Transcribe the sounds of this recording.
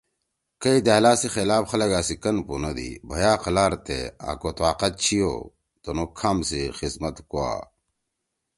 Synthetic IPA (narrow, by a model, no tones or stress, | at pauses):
kɐid̪aːlaːsixelaːbxɐleɡaːsikɐnpunɐd̪ḭbʱɐjaːqɐlaːɾt̪ḛa̰ːkot̪aːqɐt̪̚t͡ɕʰijo̰ | t̪onokʰamsixismɐt̪kua̰ː